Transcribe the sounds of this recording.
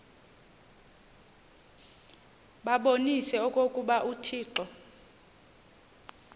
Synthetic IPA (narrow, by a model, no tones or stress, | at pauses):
ɓaɓonisɛɔkʼokʼuɓaʔutʰiːǃɔ